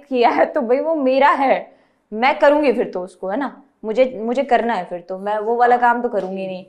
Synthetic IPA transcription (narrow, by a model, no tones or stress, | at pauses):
kijaɦɛt̪obʱɐiʋomeːɾaɦɛː | mɛ̃kɐɾũːŋɡifɪɾt̪oʊskoɦɛːna | mʊd͡ʒʱemʊd͡ʒʱekɐɾnaɦɛfɪɾt̪omɛ̃ːʋoʋaːlakaːmt̪okɐɾũːŋɡinɐɦĩ